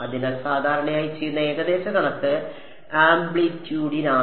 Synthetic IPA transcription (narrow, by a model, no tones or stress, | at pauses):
ɐðinɐlsaːd̪ʱaːɾɐɳɐjaːjit͡ɕːejːunːɐe̞ːɡɐd̪e̞ːɕɐɡɐɳɐt̪ːɨ | aːmbɭitːjuːɽinaː